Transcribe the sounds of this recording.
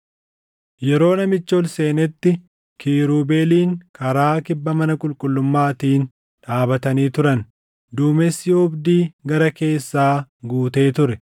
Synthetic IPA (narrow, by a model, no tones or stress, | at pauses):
jɛɾo̞ːnɐmɪt͡ʃːolse̞ːnɛt̪ːɪ | kʰiːɾuːbe̞ːliːŋkɐɾaːkɪbːɐmɐnɐkʼʊlkʼʊlːʊmːaːt̪iːn | ᶑaːbɐt̪ɐniːt̪ʊɾɐn | d̪uːmɛsːɪɔbd̪iːɡɐɾɐke̞ːsːaːɡuːt̪e̞ːt̪ʊɾɛ